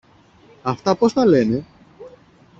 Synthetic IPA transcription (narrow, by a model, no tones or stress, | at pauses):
ɐft̪ɐpo̞st̪ɐle̞ne̞